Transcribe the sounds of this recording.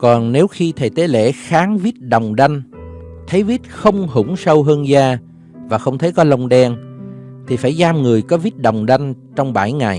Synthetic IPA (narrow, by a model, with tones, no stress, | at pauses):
kɔ˨˩nne˨˦wxi˧t̪ʰə˨˩jt̪e˨˦lḛ˧˩xaː˨˦ŋvi˦˥t̚ɗə˨˩wŋ͡mɗa˧jŋ̟t̪ʰə˨˦jvi˦˥t̚xə˧wŋ͡mɦʊ˧˩ŋ͡msə˧wɦəː˧nzaː˧ | vaː˨˩xə˧wŋ͡mt̪ʰə˨˦jkɔ˨˦lə˧wŋ͡mɗɛ˧ŋt̪ʰi˨˩faː˧˩jzaː˧mŋɨ˨˩əjkɔ˨˦vi˦˥t̚ɗə˨˩wŋ͡mɗa˧jŋ̟t͡ɕɔ˧wŋ͡mɓaː˧˩jŋa˨˩j